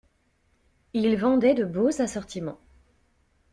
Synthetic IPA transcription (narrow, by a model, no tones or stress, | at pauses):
ilvɑ̃d̪ɛd̪əbozasɔʁt̪imɑ̰̃